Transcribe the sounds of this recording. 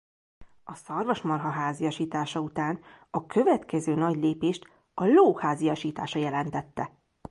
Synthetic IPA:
ɒsɒrvɒʃmɒrɦɒɦaːzijɒʃiːt̪aːʃɒut̪aːn | ɒkʰø̞vɛt̪kɛzøːnɒɟleːpeːʃt̪ | ɒloːhaːzijɒʃiːt̪aːʃɒjɛlɛnt̪ɛt̪ːɛ

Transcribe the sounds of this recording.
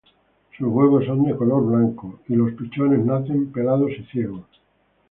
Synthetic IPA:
suzɣweβosond̪ekolo̞ɾβlaŋkoilo̞spit͡ʃone̞znaθe̞mpe̞laðosiθjeɣ̞o

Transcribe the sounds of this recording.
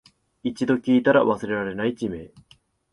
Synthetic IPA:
it͡ɕid̪o̞kʲiːt̪aɾaβasɨɾe̞ɾaɾe̞nait͡ɕime̞ː

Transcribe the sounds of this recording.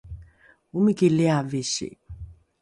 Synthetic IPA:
umikilɛaveʃḛ

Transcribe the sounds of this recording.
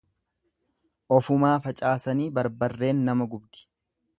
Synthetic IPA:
ʔɔfʊmaːfɐt͡ʃʼaːsɐniːbɐɾbɐrːe̞ːnːɐmɐɡʊbd̪ɪ̥

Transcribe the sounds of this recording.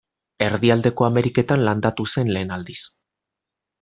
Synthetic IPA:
e̞ɾðiald̪e̞ko̞ame̞ɾike̞t̪anland̪at̪use̞nle̞ːnald̪is

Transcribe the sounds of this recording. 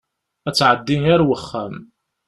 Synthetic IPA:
æt͡sːʕəd̪ːinæɾwəχːæm

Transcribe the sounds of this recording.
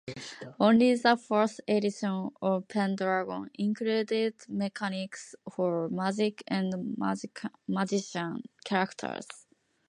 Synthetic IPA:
õnlizafə˞sed̪isõnɔvpʰɛ̃nd̪ɾaɡõ̰nĩŋkɾed̪ed̪mekʰaniksfɔɹmazikʰɛ̃nd̪mmad͡ʒiʃãnkʲʰaɾakt̪ʰə̰ɹs

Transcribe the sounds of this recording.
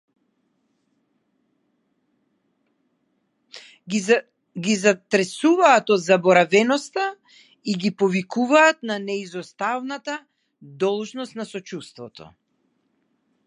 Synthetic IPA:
ɡizat̪ɾɛsuvaːt̪ɔd̪zabɔɾavɛnɔst̪a | iɡipɔvikuvaːt̪nanɛizɔst̪avnat̪a | d̪ɔlˠʒnɔst̪nasɔt͡ʃust̪vɔt̪ʰɔ̰

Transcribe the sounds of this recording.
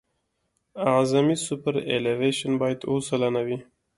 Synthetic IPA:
azamisʊpaɾḛleveʃanbɑjad̪osalanawi

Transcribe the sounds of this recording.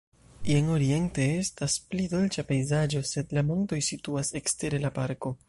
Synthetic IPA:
jeno̞ɾie̞nte̞e̞stasplido̞lt͡ʃape̞jzad͡ʒo̞se̞dlamo̞nto̞jsituase̞kste̞ɾe̞lapaɾko̞

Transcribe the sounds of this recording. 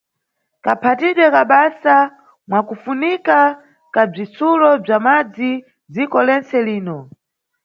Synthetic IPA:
kapʰatiɗwɛkaɓasa | mwakufunika | kab͡ʐit͡sulɔb͡ʐamad͡zi | zikɔlɛnt͡sɛliːnɔ

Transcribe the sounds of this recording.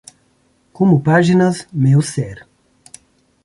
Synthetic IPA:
kõmʊpaʒinɐzmewsɛɾ

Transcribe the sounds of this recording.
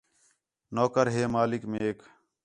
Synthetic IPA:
noːkəɾɦeːmaːlɪkmẽːeːk

